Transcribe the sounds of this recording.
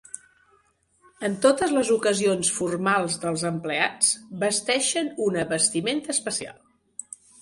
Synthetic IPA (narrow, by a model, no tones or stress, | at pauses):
ənt̪ot̪əzləzukəzionsfurmalˠzðəlˠzəmpleat͡sbəst̪ɛʃənunəβəst̪iment̪əspəsia̰lˠ